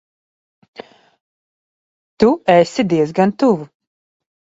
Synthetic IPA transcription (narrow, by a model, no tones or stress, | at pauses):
t̪uɛsid̪iɛzɡant̪uvu